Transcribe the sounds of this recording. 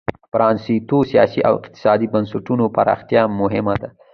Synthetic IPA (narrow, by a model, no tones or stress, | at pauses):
fɾɑnsit̪osijɑsiʔa̰wɪqt̪ɪ̥sɑd̪ibansʊʈunopa̰ɾɑ̰xt̪jɑmʊɦɪmad̪a